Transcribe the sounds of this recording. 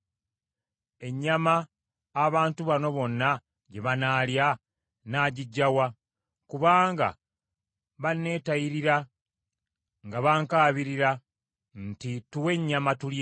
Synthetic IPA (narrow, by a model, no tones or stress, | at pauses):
e̞ɲːamaː | βaːntuβano̞βo̞nːa | ɟe̞βanaːlja | naːɟiɟːawa | kuβaːŋɡa̰ | βanːe̞ːtajiɾiɾa | ŋɡaβaŋkaːβiɾiɾa | ntituwe̞ɲːamatul